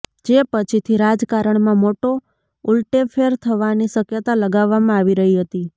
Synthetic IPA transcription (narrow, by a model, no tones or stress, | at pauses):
d͡ʒepət͡ʃʰit̪ʰiɾad͡ʒkaɾəɳmãmoʈo | ulʈefeɾt̪ʰəʋaniʃəkjət̪aləɡaʋːamãaʋiɾəɦiɦət̪i